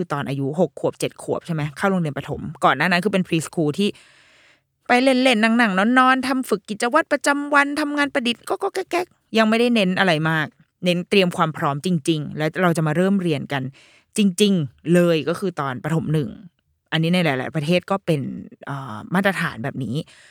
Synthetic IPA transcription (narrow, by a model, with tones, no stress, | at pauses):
kɯː˧t̪ɔː˨˧nʔaː˧ju˦˥ɦo˨˩kʰːu˨˩əp̚t͡ɕe˨˩t̪̚kʰu˨˩əp̚t͡ɕʰa˥˩ma˦jkʰaː˥˩wɾo˧ŋli˧ənpa˧t̪ʰo˩˦mkɔː˨˩nːaː˥˩na˦nkʰɯː˧pe˧npʰɾiː˦˥skʰuː˧t̪ʰiː˥˩ | pa˧jle˧˩nle˧˩nːa˨˩˦ŋna˨˩ŋnɔ˧˥nːɔː˧nt̪ʰa˧mfɯ˨˩kːi˨˩t͡ɕa˧wa˦˥t̪̚pɾa˧t͡ɕa˧mwa˧nt̪ʰa˧mŋaː˧npɾa˧di˨˩t̪̚kɔː˥˩kɔː˥˩kɛ˦˥kːɛ˦˥k̚ | ja˧ŋma˥˩jda˥˩jne˦˥nʔa˧ɾa˧jmaː˥˩k̚ | ne˦˥nt̪ɾi˧əmkʰwaː˧mpʰɾɔː˦˥mt͡ɕi˧ŋt͡ɕi˧ŋlɛː˦˥wɾa˧wt͡ɕa˨˩maː˧ɾɤː˥˩mɾi˧ənka˧n | t͡ɕi˧ŋt͡ɕi˧ŋlɤː˧jkɔː˥˩kʰɯː˧t̪ɔː˧npɾa˧t̪ʰo˩˦mnɯ˨˩ŋ | ʔa˧nːi˦˥na˧jlaː˨˦jla̰˨˩˦jpɾa˧t̪ʰeː˥˩t̪̚kɔː˥˩pe˧nʔəː˨˩maː˥˩t̪ɾa˧t̪ʰa̰ː˩˦nbɛː˨˩p̚niː˦˥